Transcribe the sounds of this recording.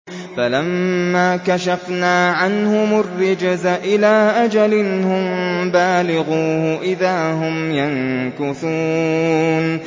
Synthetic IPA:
falamːaːkaʃafnaːʕanhʊmʊrːɪd͡ʒzaʔɪlaːʔad͡ʒalɪnhʊmbaːlɪɣuːhʊʔɪðaːɦʊmjankʊθuː | n

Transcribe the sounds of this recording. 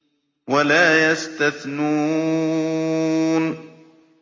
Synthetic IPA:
walaːjast̪aθnuː | n

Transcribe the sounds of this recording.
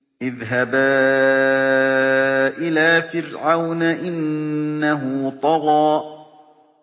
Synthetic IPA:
ʔɪðɦaba | ʔɪlaːfɪɾʕawnaʔɪnːaɦʊt̪ˤɑɣɑː

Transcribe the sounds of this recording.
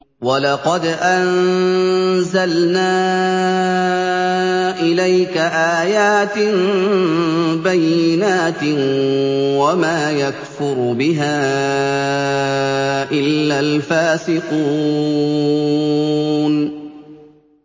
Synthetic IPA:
walɑqɑd̪ʔan | zalnaː | ʔɪlajkaʔaːjaːt̪ɪn | bajːɪnaːt̪ɪ | wamaːjakfʊɾbɪɦaː | ʔɪlːaːlfaːsɪquː | n

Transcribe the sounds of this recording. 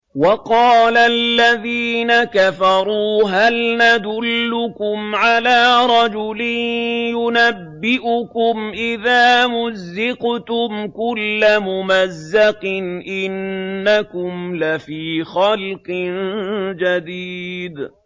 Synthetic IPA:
wɑqɑːlalːaðiːnakafɑɾˤuːɦalnad̪ʊlːʊkʊmʕalaːɾˤɑd͡ʒʊlɪnjʊnabːɪʔʊkʊmʔɪðaːmʊzːɪqt̪ʊmkʊlːamʊmazːɑqɨnʔɪnːakʊmlafiːxɑlqɨnd͡ʒad̪iːd̪

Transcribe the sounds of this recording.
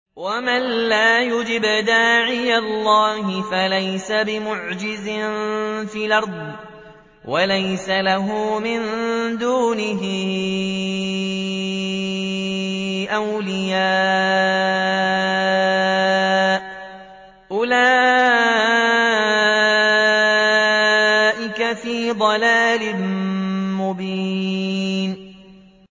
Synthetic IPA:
wamanlaːjʊd͡ʒɪbd̪aːʕɪjalːɑːhɪfalajsabɪmʊʕd͡ʒɪzɪnfiːlɑɾˤd̪ˤ | walajsalaɦʊːmɪnd̪uːnɪɦɪ | ʔawlɪjaː | ʔ | ʔʊlaː | ʔɪkafiːd̪ˤɑlaːlɪ | mʊbiː | n

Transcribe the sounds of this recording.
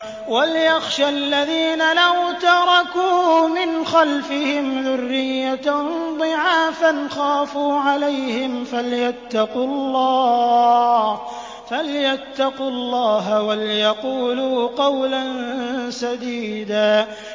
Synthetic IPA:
walɪjaxʃaʔlːaðiːnalawt̪ɑɾˤɑkuːmɪnxalfɪhɪmðʊrːɪjːad̪ˤɨʕaːfanxaːfuːʕalajhɪmfaljat̪ːɑqʊlˤːɑː | h | faljat̪ːɑqʊlˤːɑːɦawaljɑquːluːqɑwlansad̪iːd̪aː

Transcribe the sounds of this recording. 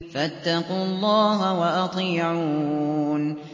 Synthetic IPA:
fat̪ːɑqulˤːɑːɦawɑʔɑt̪ˤiːʕuːn

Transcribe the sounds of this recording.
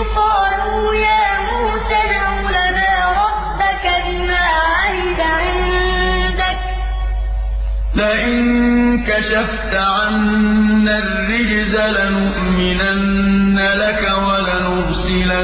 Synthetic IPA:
qɑːluːjaːmuːsanawlanaːɾˤɑbːakabɪmaːʕanɪdaʕɪld̪ak̚ | laʔɪnnkaʃaft̪aʕanːarːɪd͡ʒzalanʊʔmɪnanː | alakawalanʊɾsɪla

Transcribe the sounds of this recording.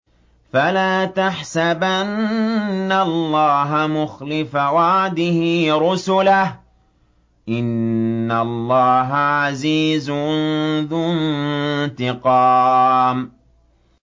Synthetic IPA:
falaːt̪aħsabʔannːallˤːɑːɦamʊxlɪfawaʕd̪ɪhiɾʊsʊlah | ʔɪnːalˤːɑːɦaʕaziːz | ðʊnnt̪ɪqɑːm

